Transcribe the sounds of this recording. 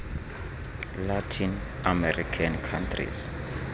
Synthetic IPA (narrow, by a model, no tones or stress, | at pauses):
latʰin | amɛrikʰankʰãntʰrḭs